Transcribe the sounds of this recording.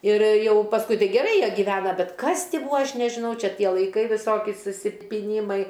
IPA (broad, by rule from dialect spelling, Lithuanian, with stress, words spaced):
ɪr ˈjɛʊ pɐsˈkʊɪ ˈtɐɪ ɡʲɛˈrɐɪ ˈjiɛ ɡʲiːˈʋʲæːnɐ ˈbʲɛt ˈkɐs ˈtʲiː ˈbuːɐ ˈɐʃ nʲɛʒʲɪˈnɐʊ ˈt͡ʃʲɛ ˈtʲiɛ lˠɐɪˈkɐɪ ʋʲɪˈsoːkʲɪ sʊsʲɪpʲɪˈnʲiːmɐɪ